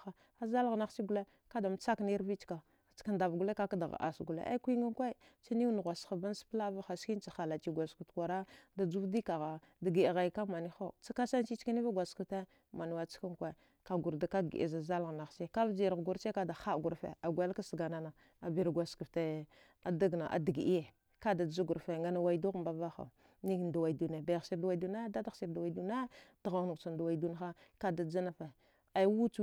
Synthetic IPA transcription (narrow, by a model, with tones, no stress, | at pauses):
a˨ | a˨za˦lɣna˨xt͡ʃi˦ɡu˨le˦ | ka˦da˨m˨t͡sa˦kni˦ɾvi˦t͡ʃka˨ | t͡ʃka˦nda˨vɡu˦le˦ka˦ka˦da˨ɣa̰˨ʔa̰˨sɡu˨lḛ˦ʔa̰˦kʷi˦ŋa˦ŋkʷa˦ | t͡ʃi˦ni˦wn˨ɣʷa˨sxa˨ba˦n˦spla˦va˦xa˨ski˦n˦t͡ʃa˨xa˨la˨t͡ʃi˨ɡʷa˨sku˨tkʷa˨ɾa˦da˨d͡ʒu˦vdi˦ka˨ɣa˨ | da˨ɡi˨ɣa˨ka˦ma˨ni˦xo˦t͡sa˦ka˦sa˦nt͡ʃi˦t͡ʃka˦ni˦va˦ɡʷa˨sku˨fte˦ | ma˨ni˨wa˨t͡si̥˦ka˦ŋkʷa˦˨ | ka˨ɡu˨ɾda˨ka˦ɡḭ˨ʔza˨za˦lɣna˨xse˦ka˦vd͡ʒi˨ɾɡu˦ɾt͡ʃe˦ka˦da˨xa˦˨ɡu˨ɾfḛ˨a˨ɡʷa˦ka˦sɡa˨na˨na˨ | a˨bi˨ɾɡʷa˨ski˨fte˦ | a˨da˦ɡna˨ʔa̰˨di˨ɡi˨i˦je˨ | ka˦da˨d͡ʒa˦ɡu˨ɾfe˨ŋɡa˦na˨wa˨i˨du˦ɣmba˨va˦xa̰˨ | ni˦˨nda˨wa˨i˨du˨ne˨ba˨jsi˨ɾda˨wa˨i˨du˨na˦da˦da˦si˨ɾda˨wa˨i˨du˨na˦d̥a˨ɣa˨nu˨t͡ʃa˨nda˨wa˨i˨du˦n˦a˦ka˦da˨d͡za˦na˨fe˨ | a˨˦wu˦t͡ʃu˦